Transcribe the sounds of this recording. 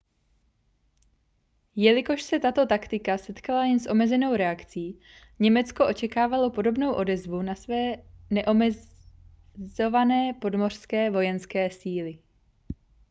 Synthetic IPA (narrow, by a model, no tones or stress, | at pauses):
jɛlɪko̞ʃsɛt̪at̪o̞t̪akt̪ɪkasɛt̪kalajɛnsʔo̞mɛzɛno̞wɾɛakt͡siː | ɲɛmɛt͡sko̞ʔo̞t͡ʃɛkaːvalo̞po̞do̞bno̞wʔo̞dɛzvunasvɛːnɛʔo̞mɛ | zo̞vanɛːpo̞dmo̞r̝̥skɛːvo̞jɛnskɛːsiːlɪ